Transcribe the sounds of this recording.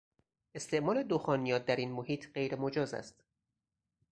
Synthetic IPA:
e̞st̪e̞ʔmɒːle̞d̪oxɒːnijɒːt̪̚d̪æɾiːnmohiːt̪ʰɢe̞jɾemod͡ʒɒːzæ̰st̪

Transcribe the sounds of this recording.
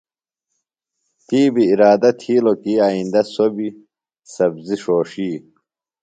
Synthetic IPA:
t̪iːbiːɾaːd̪ɐt̪ʰiːlokiːaind̪ɐsobi | sɐbziʂoːʂiː

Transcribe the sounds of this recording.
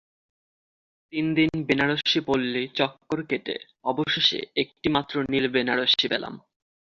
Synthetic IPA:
t̪ind̪inbenaɾoʃipolːit͡ɕɔkːoɾkeʈḛ | ɔboʃeʃḛek̚ʈimat̪ːɾonilbenaɾoʃibela̰m

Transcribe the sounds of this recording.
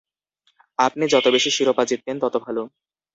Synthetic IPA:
ap̚nid͡ʑɔt̪obeʃiʃiɾopad͡ʑit̪ːent̪ɔt̪obʱalo

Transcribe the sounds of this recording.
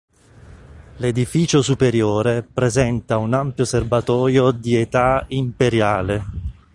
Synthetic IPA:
led̪ifiːt͡ʃosupeɾjoːɾepɾezɛnt̪aunampjoserbat̪ɔːjod̪iet̪aimpeɾjaːle

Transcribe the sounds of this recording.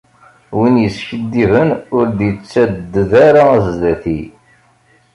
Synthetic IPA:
winjəsçəd̪ːivənʊɾd̪jət͡sːæd̪ːəðaɾaæzðæθi

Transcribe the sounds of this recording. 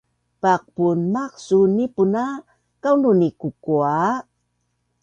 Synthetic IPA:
pak̚punmaksunipuna | kawnunikukua

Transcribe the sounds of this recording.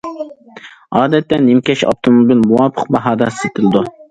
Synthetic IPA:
ɑːd̪ɛt̪ːɛnɪmkʲɛʃɑ̰p̚t̪ʰomobilmuwɑpʰə̥q̚bɑɦɑːd̪ɑset̪ʰɪlɪd̪u

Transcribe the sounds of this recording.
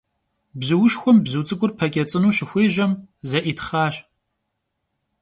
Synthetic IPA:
bzɨwʊʃxʷɔmbzut͡sʼɨkʷʊrpʰɐkʲʼɐt͡sʼɨnuːʃɪxʷeːʒɐmzɐʔiːtχaːɕ

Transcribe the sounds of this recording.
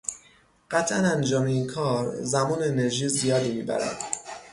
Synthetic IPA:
ɢ̥æt̪ʰʔænænd͡ʒɒːmeiːnkʰɒːɾzæmuːneene̞ɾʒiːzijɒːd̪iːmiːbæ̰ɾæ̰d̪̥

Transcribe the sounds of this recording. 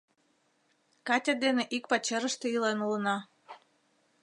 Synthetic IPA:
kɑt̪ʲad̪eneʔik̚pɑt͡ɕeɾəʃt̪ĕilenulənɑ

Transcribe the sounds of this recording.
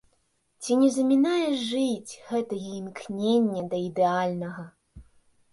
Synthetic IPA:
t͡sʲinʲɛzɐmʲinajɛʐɨt͡sʲɣɛt̪ɐjɛimknʲenʲːɐd̪ɐid̪ɛalʲnɐɣɐ

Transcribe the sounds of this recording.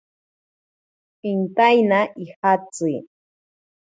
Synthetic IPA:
ɪnt̪ajnaʔihat͡sɨ

